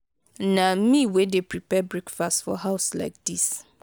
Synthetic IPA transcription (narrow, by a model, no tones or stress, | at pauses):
nãmĩwedepʰɹipʰɛbɹekfastfɔ̰ɦaʊsla̰ɪk̚d̥is